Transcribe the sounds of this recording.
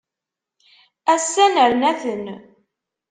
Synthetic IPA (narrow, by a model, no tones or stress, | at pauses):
æsːænəɾnæθən